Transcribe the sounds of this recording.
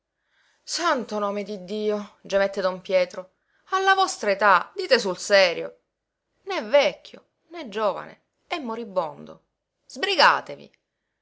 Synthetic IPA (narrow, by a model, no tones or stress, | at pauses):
sant̪onoːmed̪id̪ːiːod͡ʒemɛt̪ːed̪ompjɛːt̪ɾo | alːavɔst̪ɾaet̪ad̪iːt̪esulsɛːɾjo̰ | nɛvɛkʰːjo̰ | nɛd͡ʒoːva̰nḛ | ɛmːoɾibːond̪o̰ | z̥bɾiɡa̰ːt̪evḭ